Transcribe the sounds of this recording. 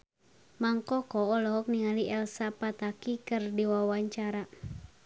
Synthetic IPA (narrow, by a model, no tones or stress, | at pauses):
maŋkɔkɔːlɔk̚niŋaliʔɛlsapat̪akikɨrdiwawaɲt͡ʃaɾa